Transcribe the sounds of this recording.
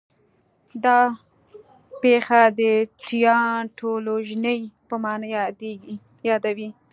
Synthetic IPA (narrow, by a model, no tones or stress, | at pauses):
d̪ɑ | pexad̪əʈijɑʈoloʒnəjpəmɑnjeɡ | jɑd̪awi